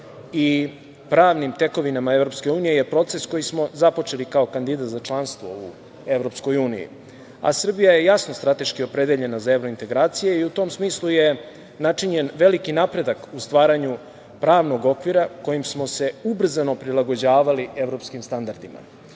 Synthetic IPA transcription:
i | pɾaːʋnimt̪e̞ko̞ʋinamae̞vɾo̞pske̞uːnije̞jepɾo̞t̪se̞sko̞jismo̞zapo̞t͡ʃe̞likao̞kand̪id̪at̪zat͡ʃlˠanst̪ʋo̞̰u | e̞ʋɾo̞psko̞juːnḭjḭ | a̰sr̩bijaje̞jasno̞st̪ɾat̪e̞ʃkio̞pɾe̞d̪eʎe̞nazae̞ʋɾo̞int̪e̞ɡɾaːt̪sijeiut̪o̞ːmsmiːslˠuje̞ | nat͡ʂiɲe̞nʋe̞likinapɾe̞d̪akust̪ʋaːɾaɲu | pɾaːʋno̞ɡo̞kʋiɾako̞jimsmo̞se̞ubr̩zano̞pɾilˠaɡo̞d͡ʑaːʋalie̞ʋɾo̞pskimst̪and̪aɾd̪ima̰

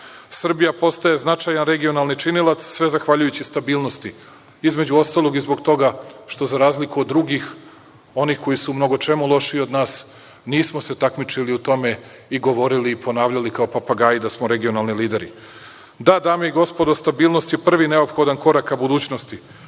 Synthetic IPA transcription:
sr̩bijapo̞st̪ae̞znat͡ʂajanɾe̞ɡio̞nalˠnit͡ʃinilˠat̪ssʋe̞zaxʋaʎujut͡ɕist̪abiːlˠno̞st̪i | izme̞d͡ʑuo̞st̪alˠo̞ɡizbo̞ɡt̪o̞ɡaʃt̪o̞zaɾaːzlikuod̪ːɾuɡix | o̞nixko̞jisumno̞ɡo̞t͡ʂe̞mulˠo̞ʃio̞d̪naːs | niːsmo̞se̞t̪akmit͡ʂiliut̪o̞me̞ | iɡo̞ʋo̞ɾiliːpo̞naːʋʎalikao̞papaɡaːjid̪asmoɾe̞ɡio̞nalˠniliːd̪eɾḭ | d̪ad̪aːmeiɡo̞spo̞d̪ost̪abiːlˠno̞st̪jepr̩ʋine̞o̞pxo̞d̪anko̞ɾakabud̪uːt͡ɕnost̪i

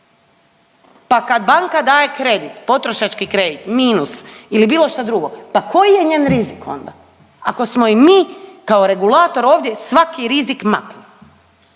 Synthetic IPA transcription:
pakad̪baŋkad̪aːje̞kɾe̞d̪it̪po̞t̪ɾo̞ʃat͡ʃkikɾe̞d̪it̪miːnusilibiːlˠo̞ʃt̪ad̪ɾuɡo̞pako̞jije̞ɲeːnɾiziko̞̰nd̪a̰ | ako̞smo̞imiːkao̞ɾe̞ɡulˠaːt̪o̞ɾo̞ːʋd̪ʲje̞sʋakiɾizikma̰kli

